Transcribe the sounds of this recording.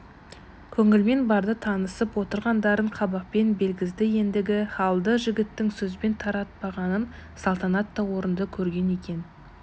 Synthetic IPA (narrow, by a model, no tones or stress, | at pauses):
kʲʰɵŋɪlme̞nbɑɾd̪ət̪ʰɑnəsəpwo̞t̪əɾʁɑnd̪ɑɾəɴqʰɑbɑq̚pe̞nbe̞lɡʲɪzd̪ɪje̞nd̪ɪɡʲɪχɑlˠd̪əʒɪɡʲɪt̪ːɪŋsɵzbe̞nt̪ʰɑɾɑt̪̚bɑʁɑnənsɑlˠt̪ɑnɑt̪ːɑwo̞ɾənd̪əkʲʰɵɾɡʲe̞ne̞kʲe̞n